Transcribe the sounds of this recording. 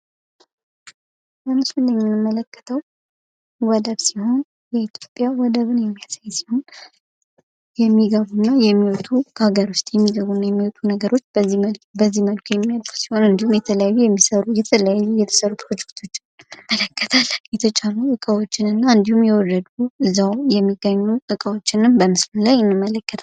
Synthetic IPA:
bəmɨsɨlːəɲːɨnɨmːələkːə̥t̪ʰəw | wɔd̪əβsiho̞n | jɛit̪ʰjo̞pʼːjawɔd̪əβɨnjɛmːijasajsi̥ho̞n | jɛmːiɡəβunːajɛmːiwɔt̪ʰukʰhaɡəɾwʊst̪ʼjɛmːiɡəβunːajɛmːiwot̪ʰunəɡəɾo̞t͡ʃːbəzːiməlbəzːiməlkʰujɛmːijalfu̥si̥ho̞nɨnd̪ihumjɛt̪ʰələjajːujɛmːisəɾujɛt̪ʰələjajːujɛt̪ʰə̥səɾupʰɾo̞d͡ʒɛkt̪ʰo̞t͡ʃːɪnɨmələkʰːət̪ʰalːjɛt̪ʰət͡ʃʼaluʔɨkʼawot͡ʃːɪnɨnːaɨnd̪ihumjɛwɔdəd̪uɨzːawjɛmːiɡəɲːuʔɨkʼawot͡ʃːɪnɨmbəmɨslulajɨnːɨmːələkːət̪ʰ

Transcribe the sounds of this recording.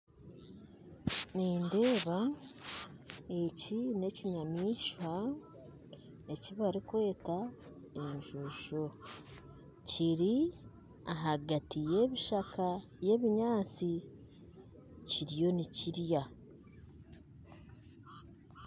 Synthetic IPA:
niːnde̞ːβa | e̞cine̞ciɲamiːʃwa | e̞ciβaɾikwe̞ːta | eɲʒuʒo | ciɾi | aɦaɡatije̞ːβiʃakaje̞ːβiɲaːt͡si | ciɾjo̞niciɾja

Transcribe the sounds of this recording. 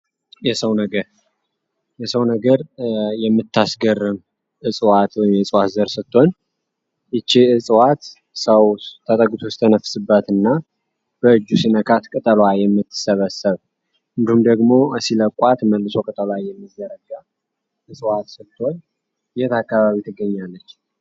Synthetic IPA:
jɛsəwnəɡəɾ | jɛsəwnəɡəɾjɛmːɨt̪ʰːasɡərːɨm | ʔɨsʼwat̪wɔjɪmjɛɨsʼwat̪zəɾsɨt̪ʰːo̞n | ʔɨt͡ʃːeɨsʼwat̪ | səwt̪ʰət̪ʼəɡʼut̪ʰost̪ʰənəfsɨbːət̪ɨnːa | b̥əɨd͡ʒːusinəkʰat̪kʼɨt̪ʼəlwajɛmːɨt̪ʰːɨ̥səβəsːəβ | ʔɨnd̪ihumd̪əɡmo̞siləkʼwat̪məlːɨso̞kʼɨt̪ʼəlwajɛmːɨd̪əɾəɡa | ʔɨsʼwat̪sɨt̪ʰːo̞n | jɛt̪akːaβaβit̪ʰɨɡːəɲːalːət͡ʃː

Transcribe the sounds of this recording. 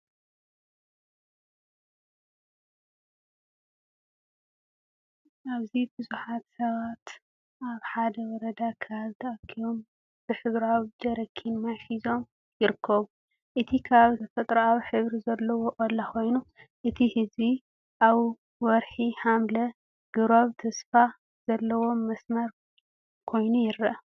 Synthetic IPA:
ʔaβzibɨzuħat̪sɐβat̪ | ʔaβħad̪ɐwɔɾɐd̪akʰɐaβt̪ʰɐʔɐkʰːijom | b̥ɨħɨβɾawd͡ʒɐɾɐkʰːinmɐʕħizo̞m | jɪɾɨkʰːɐβu | ʔɨt̪ʰikʰaβt̪ʰɐfɐt̪ʼɾɐawħɨβɾizɐlːɐwoʔʼɐlːakʰo̞jnu | ʔɨt̪ʰihɨzβi | ʔaβ | wɔɾħihamlɐ | ɡ̥ɨɾaβt̪ʰɐsfa | z̥ɐlːɐwo̞ːɐsmɐɾ | kʰo̞jnujɪɾɐʔɐ

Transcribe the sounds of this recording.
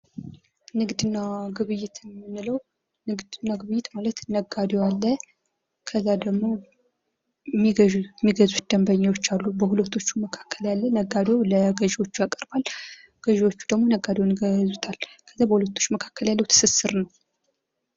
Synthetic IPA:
nɨɡd̪ɨnːaɡɨβɨjːɪt̪jmːɨnːɨləw | nɨɡd̪ɨnːaɡɨβɨjːɪt̪malət̪nəɡːad̪jwalːə | kʰəzːad̪əɡmo̞ | mːiɡəʒumːiɡəzut̪d̪̥əmbəɲːawo̞t͡ʃːalːubəhulət̪ʰo̞t͡ʃːuməkʰḁkʰːəljalːənəɡad̪joləɡəʒiwo̞t͡ʃːujakʼəɾbal | ɡ̥əʒiwo̞t͡ʃːu̥d̪əɡmo̞nəɡːad̪ewniɡəzut̪ʰalkʰəzːabəhulət̪ʰːo̞t͡ʃːuməkʰḁkːəljalːəwt̪ʰɨ̥sɨsɨɾnəw

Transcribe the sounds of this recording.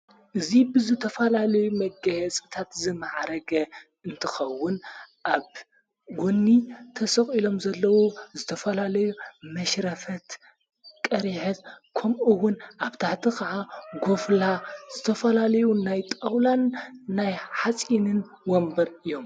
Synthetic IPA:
ʔɨzibɨzɨt̪ʰɐfɐlalɐjumɐɡɐjɛt͡sʼɨt̪ʰat̪zɨmaʕɾɐɡɐ | ɨnt̪ʰɨxɐwːʊnʔaβ | ɡonːit̪ʰɐsɐxʼilo̞mzɐlːɐwozɨt̪ʰɐfɐlalɐjumɐʃɾɐfɐt̪ | kʼɐɾiħɐt̪kʰɐmʔɨwʊnʔaβt̪ʰaħt̪ʰixʰɐʕaɡo̞flaz̥ɨt̪ʰɐfɐlalɐjunajt̪ʼawlanːajħat͡sʼinɨn | wɔmbɐɾʔɨjo̞m

